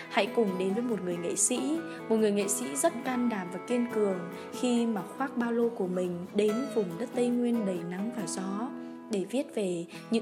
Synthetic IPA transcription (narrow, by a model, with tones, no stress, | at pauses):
ha̰˧˥jkʊ˨˩ŋ͡mɗe˨˦nvəː˨˦jmo˨˩t̚ŋɨ˨˩əjŋḛ˧˨sḭ˧˥ | mo˨˩t̚ŋɨ˨˩əjŋḛ˧˨sḭ˧˥zə˦˥t̚kaː˧nɗaː˧˩mvaː˨˩ki˧ənkɨ˨˩əŋ | xi˧maː˨˩xwaː˦˥k̚ɓaː˧lo˧ku˧˩əmï˨˩ŋ̟ɗe˨˦nvʊ˨˩ŋ͡mzə˦˥t̚t̪ə˧jŋwi˧ənɗə˨˩jna˨˦ŋvaː˨˩zɔ˨˦ | ɗe˧˩vi˦˥ət̚ve˨˩ | ɲɨ̰˧˥